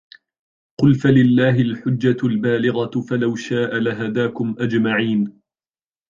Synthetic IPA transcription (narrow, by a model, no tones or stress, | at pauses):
qʊlfalɪlːaːɦɪlħʊd͡ʒːalbaːlɪɣɑfalawʃaːʔalaɦad̪aːkʊmʔad͡ʒmaʕiːn